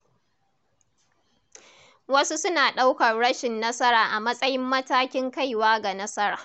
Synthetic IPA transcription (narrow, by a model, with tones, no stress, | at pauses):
wɐ˦su˦sʊ˦naː˨ɗa˦wkɐ˨rɽɐ˦ʃɪ˨nːɐ˦sɐ˦ɾaː˨ʔa˨mɐ˦sʼɐ˦jɪ˦mːɐ˦taː˦kʲɪ˦ŋka˦jwaː˦ɡa˨nɐ˦sɐ˦ɾaː˨